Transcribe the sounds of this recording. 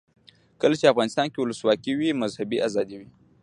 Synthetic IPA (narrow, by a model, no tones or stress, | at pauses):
kɐlt͡ʃiaɣanɪst̪aŋkʲiluswakʲiwimɐzhɐbiʔazadiwi